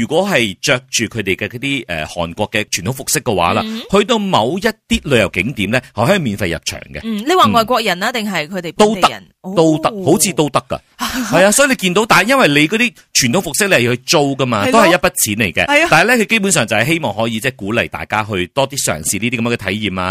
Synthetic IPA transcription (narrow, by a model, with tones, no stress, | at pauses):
yː˨˩kʷwʷɔː˨˥ɦɐ˨jt͡ʃœː˧k̚t͡ʃyː˨kʰɵ˨˧ɥt̪e˨jkɛ˧kɔ˨˥t̪iː˥ʔɛ̰ː˨hɔ̰ː˨˩nkʷɔː˧kːɛ˧t͡ʃʰyː˨˩nt̪ʰwfʊ˨k̚sɪ˥kːɛ˧wa̰ː˨˥la̰ː˧hɵ˧ɥt̪o˧wmɐ̰˨˧wjɐ˥t̚t̪iː˥lɵ˨˧jɐ˨˩wkɪ˨˥ŋt̪iː˨˥mlɛː˥hɐ˨˩hɔː˨˥i˨˩miː˨nfɐ˧jɐ̰˨p̚t͡ʃʰœ̰ː˨˩ŋɡɛ̰˧le˨˧jwaː˨˩ŋɔː˨˩jkʷɔː˧k̚jɐ˨˩naː˥t̪ɪ˨ŋɦɐ˨jkʰɵ˧t̪e˨t̪o˥w̪ɐ̰˥˨n | t̪o˥wt̪ɐ˥k̚ho˨˥wt͡sʰiː˧t̪o˥wt̪ɐ˥kːɐ̰˧hɐ˨˩jaː˧sɔ˨˥ji˨˧le˨˧jkiː˧nt̪o˨˥wt̪aː˨jɐ˥nwɐ˨˩jle˨˧jkɔː˨˧t̪iː˥ | t͡ʃʰyː˨˩nt̪ʰo˨˥wfʊ˨ksɪ˥k̚le˧hhɵ˧t͡so˥wkɐ˥maː˧o˥whɐ˨jɐ˥t̚pɐ˥t̚t͡sʰiː˨˥nlḛ˨˩jkɛ̰˧aː˨hɐ˨˩lɛ˥kʰɵ˨˧ɥke˥jp̬u˨˥nsœː˨ŋt͡sɐ˨hɐ˨jɦe˥jmɔː˨ŋɦɔː˨˥jiː˧t͡sɛː˥˩kuː˨˥lɐ˨˩jt̪a̰ː˨jkaː˥ɦɵ˧ɥt̪ɔː˥t̪iː˥sœ̰ː˨˩ŋsiː˨niː˥t̪i˥kɐ˧mː˧kɛ˧t̪ʰɐ̰˨˥jjiː˨˩mlaː˧